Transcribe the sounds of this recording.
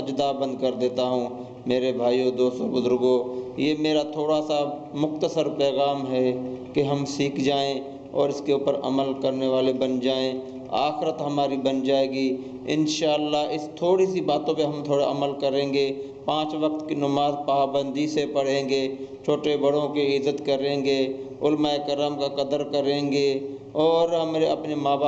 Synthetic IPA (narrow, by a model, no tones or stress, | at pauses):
ɐd͡ʒd̪aːbə̃nd̪kɐɾd̪eːt̪aɦũː | meːɾebʱaːioːd̪oːst̪obʊzʊɾɡoːjeːmeːɾat̪ʰoːɽasamʊxt̪əsəɾpɛːɣaːmɦɛkeɦɐmsiːkd͡ʒaːẽ | ɔ̰ːɾɪskeuːpəɾɐ̰məlkɐɾneʋaːlebɐnd͡ʒaːẽ | a̰ːxɪɾət̪ɦɐmaːɾibɐnd͡ʒaːeːɡi | ɪ̰nʃaːlːaɦɪst̪ʰoːɽisibaːt̪õpeɦɐmt̪ʰoːɽaʔɐməlkəɾẽːŋɡe | pãːt͡ʃʋɐk̚t̪kinʊmaːzpaːbə̃nd̪ʱisepɐɽ̤ẽːŋɡeːt͡ʃʰoːʈebɐɽ̤õkiɪzːət̪kɐɾẽːŋɡeːʊlmaekɾaːmkakɐd̪əɾkəɾẽːɡeː | ɔːɾɦɐmːɾeɐpnemaːbaː